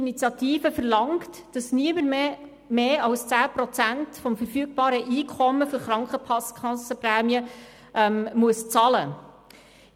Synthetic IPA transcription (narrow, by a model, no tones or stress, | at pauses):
nit͡sjɑt̪iːfəfəɾlɑŋkt | d̥ɑsniəməɾm | meːɑwst͡sæːpɾɔt͡sæntfɔmfəɾfyːk̚b̥ɑːɾəʔiːkʰɔmːəfɵɾχɾɑŋkχəpʰɑskʰɑsəpræːmiə | ʔɛmmuəst͡sɑlə